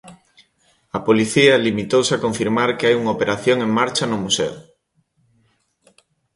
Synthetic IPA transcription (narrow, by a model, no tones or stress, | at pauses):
ɐpoliθiɐlimit̪owseakoɱfiɾmaɾkeajuŋaopeɾaθjoŋeŋmaɾt͡ʃɐnʊmusḛw̰